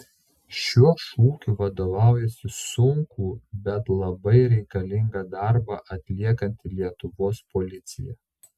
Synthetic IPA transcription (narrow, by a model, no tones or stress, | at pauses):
ʃʲuɔʃuːkʲuʋɐd̪oːʋɑˑʊjɛsʲɪsʊŋkuːbʲɛt̪lˠɐbɐɪɾʲɛɪkɐlʲɪŋɡɑːd̪ɑˑɾbɑːˑʔɐt̪ʲlʲiɛkɐnʲt̪ʲɪlʲiɛt̪ʊʋoːspɔlʲɪt̪sʲɪ̰jɛ̰